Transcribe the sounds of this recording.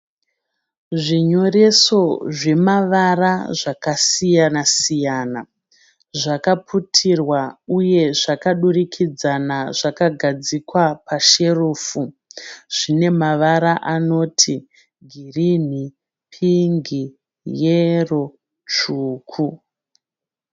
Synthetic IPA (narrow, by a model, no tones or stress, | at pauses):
ʐiɲo̞re̞so̞ʐe̞maʋaraʐakasijanasijaːna | ʐakapʰutʰirwauje̞ʐakaɗurikʰid͡zanaʐakaɡʱad͡zikwapaʃe̞ruːfu | ʐ̥ine̞maʋaɾaʔano̞ːtʰi | ɡʱirin̤i | pʰiŋɡi | jero̞ | t͡ʃuːkʰu